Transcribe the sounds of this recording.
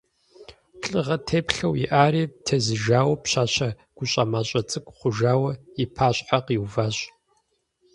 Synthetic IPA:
ɬʼɨʁɐtʰeːpɬɐwḭʔaːɾiːtʰɐzɨʒaːwɐpɕaːɕɐ | ɡ̥ʷʊɕʼamaːɕʼɐt͡sʼɨkʷʼχʷʊʒaːwɐipʰaːɕʼħaqiwvaːɕʼ

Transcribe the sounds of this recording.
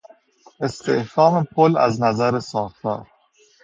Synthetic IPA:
ʔest̪ʰehfɒːmepʰolæ̰znæzæɾesɒːfɒ̰ːɾ

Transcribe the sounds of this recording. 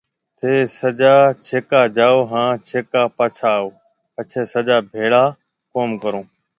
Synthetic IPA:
t̪ʰeːsəd͡ʒaːt͡ʃʰeːkaːd͡ʒaːoːɦãːt͡ʃʰeːkaːpaːt͡ʃʰaːoː | pət͡ʃʰeːsəd͡ʒaːbʱeːɽaː | koːmkəɾõː

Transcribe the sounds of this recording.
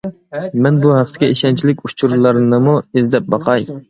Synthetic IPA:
mɛnbuhæqt̪ʰɪɡʲɛiʃɛnt͡ʃʰilɪkʲut͡ʃʰuɾlˠɑɾnɨmuezd̪ɛp̚bɑqʰɑj

